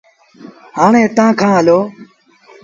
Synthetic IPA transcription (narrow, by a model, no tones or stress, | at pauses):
haːɳẽːt̪ãːkʰãːɦəloː